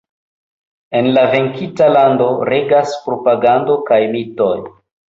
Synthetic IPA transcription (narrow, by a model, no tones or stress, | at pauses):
e̞nlave̞ŋkʰitalando̞ɾe̞ɡaspɾo̞paɡando̞kajmitoj